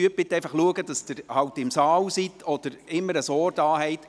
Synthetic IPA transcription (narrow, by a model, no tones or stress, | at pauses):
yəb̥ɪt̪ɛɪfɑχluəɡəd̥ɑsd̥ɪɾhɑwtɪmsɑːwsit̪ʰɔd̥əɾɪmːəɾəsɔːɾdɑːhɛɪt